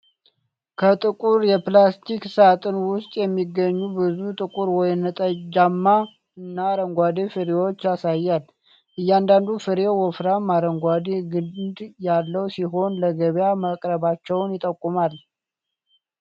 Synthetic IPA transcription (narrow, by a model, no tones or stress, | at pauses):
kʰət̪ʼɨkʼuɾjɛplast̪ʰiksat̪ʼɨnwʊst̪ʼjɛmːiɡːəɲːubɨzut̪ʼɨkʼuɾwɔjnːət̪ʼəd͡ʒamːa | ɨnːaɾəŋɡʷad̪efɨɾewot͡ʃːasajːal | ʔɨjːand̪and̪ufɨɾewɔfɾamaɾəŋɡʷad̪eɡɨd̪jalːəwsiɦo̞nləɡəβjaməkʼɾəβat͡ʃːɛwnjɪt̪ʼəkʼːumal